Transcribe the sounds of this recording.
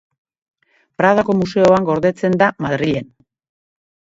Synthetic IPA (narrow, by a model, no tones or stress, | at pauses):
pɾaðako̞muse̞o̞aŋɡo̞ɾðe̞t͡se̞nd̪amaðɾiʎe̞n